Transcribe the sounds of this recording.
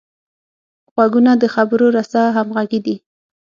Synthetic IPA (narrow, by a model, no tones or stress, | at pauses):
ɣwaɡunad̪əxabəɾoɾasaɦamɣaɡid̪i